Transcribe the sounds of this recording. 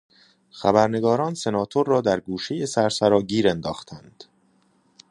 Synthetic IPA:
xæbæɾne̞ɡɒːɾɒːnse̞nɒːt̪ʰoɾːɒːd̪æɾɡuːʃejesæɾsæɾɒːɟiːɾend̪ɒːxt̪ʰænd̪̥

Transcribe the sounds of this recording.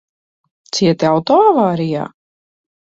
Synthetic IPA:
t̪siɛt̪iawt̪ɔavaːɾija̰ː

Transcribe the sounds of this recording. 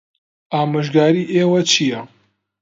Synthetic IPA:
aːmɨʒɡaːɾiːʔeːwɐt͡ʃʰijɐ

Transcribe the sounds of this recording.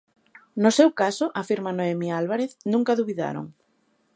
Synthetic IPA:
nʊsewkasʊʔafiɾmanoemialβaɾeθnũŋkaðuβiða̰ɾo̰ŋ

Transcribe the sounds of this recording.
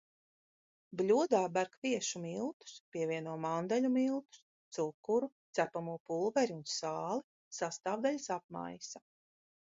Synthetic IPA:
blʲuɔd̪aːbæɾkviɛʃumilˠt̪u̥spʲiɛvʲiɛnuɔmand̪aʎʲumilˠt̪u̥s | t̪sukːuɾut̪sæpamuːpulˠvɛɾiunsaːlˠi | sast̪aːvd̪alʲsap̚ma̰jsa

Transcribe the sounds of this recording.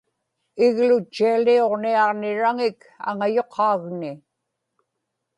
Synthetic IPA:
ɪɣlʊt͡ʃːialio̞ʁniɑʁnɪɻaŋɪk | a̰ŋajo̞qʰɑːɣnɪ

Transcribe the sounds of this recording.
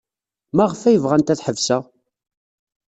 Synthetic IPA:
mæʁfæjəvʁænt̪æθħəvsæ

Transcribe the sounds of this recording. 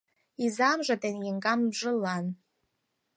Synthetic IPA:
izamʐʷatʰʼenjeŋkʼambʐɨlan

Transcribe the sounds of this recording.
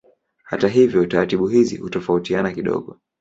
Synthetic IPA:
ha̰taɦivjɔtaɾatiɓuhizḭhutɔfautianakiɗɔ̰ɠɔ

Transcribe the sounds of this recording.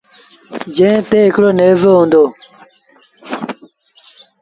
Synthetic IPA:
d͡ʒẽːt̪eːɦɪkɽoːneːzoːɦũːnd̪oː

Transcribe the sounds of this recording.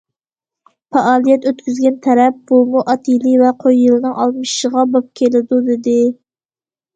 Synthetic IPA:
fɑʔɑːlˠijɛt̪øt̪kʲyzɡʲɛnt̪ʰɛɾɛp̚bolˠmuʔɑt̪ʰilivɛqʰojːɨlˠɨnɨŋʔɑ̰lˠmɨʃʃəʁɑbɑp̚kʲʰelɪd̪ud̪ɪd̪ɪ

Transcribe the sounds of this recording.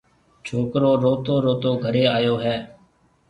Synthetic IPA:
t͡ʃʰoːkɾoːɾoːt̪oːɾoːt̪oːɡʱəɾeːaːjoːɦɛː

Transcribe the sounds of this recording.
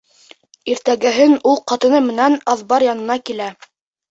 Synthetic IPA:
iɾt̪æɡɘ̆ɦɘnulˠqɑt̪ɤ̆nɤmɘ̆nænɑðbɑɾjɑnɤ̆nɑkilæ

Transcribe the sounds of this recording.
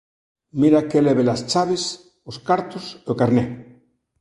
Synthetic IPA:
miɾakeleβelast͡ʃaβes | oskaɾt̪osokaɾne

